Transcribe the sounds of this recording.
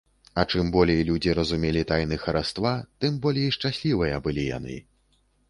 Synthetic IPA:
ɐt͡ʂɨmbɔlʲejlʲud͡zʲiɾɐzumʲɛlʲit̪ajnɨxɐɾast̪vat̪ɨmbɔlʲejiʂt͡ʂasʲlʲivɨjɐbɨlʲija̰nɨ̰

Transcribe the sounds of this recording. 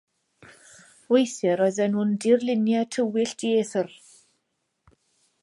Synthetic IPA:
wejθɛɾɔjðɛnhʊndɪrlˠɪnjatʰəwɪɬd̥iθər

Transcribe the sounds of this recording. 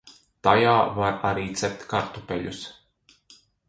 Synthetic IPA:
t̪ajaːvaɾaɾiːt̪sɛp̚t̪ʲkaɾt̪upʲɛʎus

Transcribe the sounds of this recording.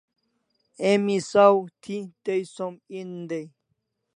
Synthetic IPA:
emisawt̪ʰit̪ejsomind̪ej

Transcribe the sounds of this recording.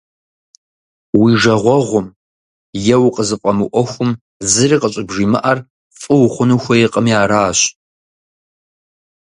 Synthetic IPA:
wiʐɐʁʷɔʁʷʊm | jɛwqʼəzɨqʷʼɐmɨʔʷɔxʷʊm | zɨriːqʼəɕʼɪbʒiːmɨ̰ʔar | fʼɨwχʷʊnuxʷɐjɛqʼəmjaːɾaːɕ

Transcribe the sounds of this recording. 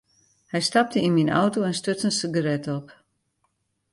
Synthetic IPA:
hɛjstɑp̚təinmina̰wtoɛnstøtsənsiɡərɛtɔp

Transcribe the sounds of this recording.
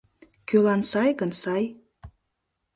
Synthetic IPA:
kølɑnsɑjɣənsɑj

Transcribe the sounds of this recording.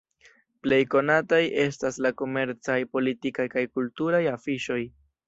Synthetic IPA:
ple̞jko̞nataje̞staslako̞me̞ɾt͡sajpo̞litikajkajkultuɾajafiʃo̞j

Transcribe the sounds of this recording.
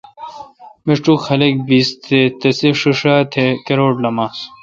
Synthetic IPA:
miʂʈukʰɐlek̚biːst̪ʰet̪ɐsiʂiʂat̪ʰekɐɾoːɖlɐmaːs

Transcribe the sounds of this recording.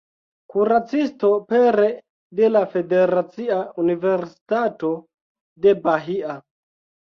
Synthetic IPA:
kuɾat͡sisto̞peɾe | de̞lafe̞de̞ɾat͡siaunive̞ɾsi̥tato̞ | de̞baɦia

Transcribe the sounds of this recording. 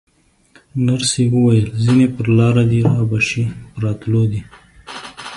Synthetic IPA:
naɾsiwəwajəlzinepəɾlɑɾad̪iɾɑbaʃipɾɑt̪lod̪i

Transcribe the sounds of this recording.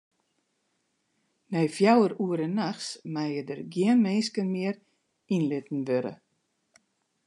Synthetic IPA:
nɛjfjawəɾuəɾənːaxsmaːjədərɡjiənmenskənmɪər | inlɪtn̩ʋøɾə̰

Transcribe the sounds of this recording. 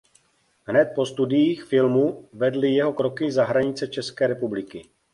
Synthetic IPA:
ɦnɛt̪̚po̞st̪udɪjiːxfɪlmuvɛdlɪjɛɦo̞kɾo̞kɪzaɦɾaɲɪt͡sɛt͡ʃɛskɛːɾɛpublɪkɪ

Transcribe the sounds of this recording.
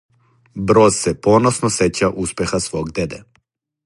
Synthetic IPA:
bɾozsɛponosnoset͡ɕaʔuspexasʋoɡd̪ed̪ɛ

